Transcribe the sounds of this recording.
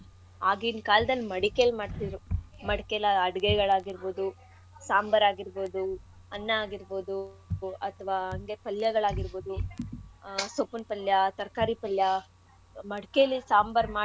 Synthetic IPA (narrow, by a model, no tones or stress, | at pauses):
aːɡiːnkaːlɐd̪ɐlːimɐɽikelmaːɖt̪id̪ɾumɐɽkelɐɐɽɡeɡɐɭaːɡiɾboːd̪u | saːmbɐɾaːɡiɾboːd̪u | ɐnːɐːɡiɾbo̞ːd̪uɐt̪ʰɐʋaːɐŋɡepɐljɐɡɐɭaːɡiɾboːd̪u | sopunpɐljɐt̪ɐɾkaːɾipɐljɐ | mɐɽkeɐlisaːmbɐɾmaː